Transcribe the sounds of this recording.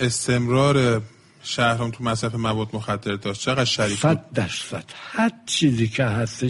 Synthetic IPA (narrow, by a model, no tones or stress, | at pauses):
e̞st̪ʰe̞mɾɒːɾe | ʃæhɾɒnt̪ʰumæsɾæfemævɒːd̪̚moxæd̪ːe̞ɾd̪ɒːʃtt͡ʃʰe̞ɣæd̪̥ʃæɾiːæt̪̚d̪æɾsæd̪̥hæɾt͡ʃʰiːzikʰeɦæst̪e